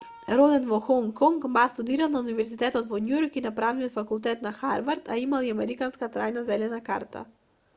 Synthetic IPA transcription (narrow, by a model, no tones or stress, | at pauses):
ɾɔd̪ɛnvɔxɔŋkːɔŋkmast̪ud̪iɾalˠnaunivɛɾzit̪ɛt̪ɔt̪vɔnujɔɾkinapɾavniɔt̪fakulˠt̪ɛt̪naxaɾvaɾt̪ʰa̰imalˠiamɛɾikanskat̪ɾajnazɛlɛnaka̰ɾt̪ʰa̰